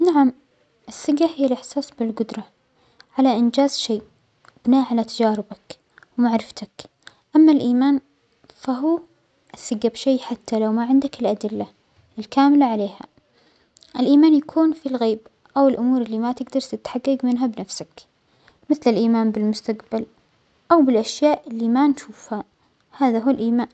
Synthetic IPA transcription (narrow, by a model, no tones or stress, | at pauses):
naʕam | ʔɪsːɪɡːahɪjːalʔɪħsɑːsˤbɪlɡʊd̪ɾˤɑ | ʕalaʔɪnd͡ʒaːzʃeːʔ | b̥ɪnaːʔʕalat̪ad͡ʒaːɾɪbak | wmaʕɾɪft̪ʰak | ʔamːalʔiːmaːn | faɦuː | ʔɪsːɪɡːabʃeːħat̪ʰːalawmaʕɪnd̪akɪlʔad̪ɪlːa | ɪlkaːmɪlaʕaleːha̰ | ʔɪlʔiːmaːnjakʰuːnfilɣeːb | ʔawɪlʔʊmuːɾɪlːimat̪ɪɡd̪ɑɾˤt̪ɪt̪ħaɡːɪɡmɪnɦabnafsak | mɪθlɪlʔiːmaːnbɪlmʊst̪aqbal | ʔawbɪlʔaʃjaːʔʔɪlːimanʃuːfha | haːðaɦuːlʔiːmaːn